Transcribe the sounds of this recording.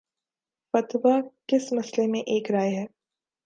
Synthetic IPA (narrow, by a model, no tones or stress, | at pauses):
fɐt̪ʋakɪsmɐslemẽʔeːkɾaːeɦɛː